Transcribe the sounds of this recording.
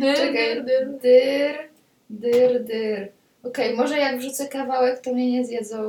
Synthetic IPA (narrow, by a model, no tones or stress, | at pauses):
t͡ʃɛɡ̪d̪ɘɾ | d̪ɘɾd̪ɘɾ | ɔkɛjmɔʐɛjaɡvʐut̪sɛkavawɛkt̪ɔmɲɛɲɛzʲjɛd̪zɔ